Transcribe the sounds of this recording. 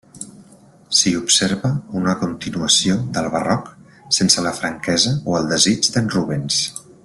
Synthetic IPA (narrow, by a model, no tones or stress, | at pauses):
siupseɾβəunəkunt̪inuəsioðəlˠβərɔk | sensələfɾəŋkɛzəoəlˠd̪əzid͡ʒd̪ənruβens